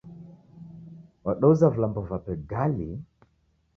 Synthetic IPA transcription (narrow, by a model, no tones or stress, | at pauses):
waɗɔuzavulambɔvapɛɡali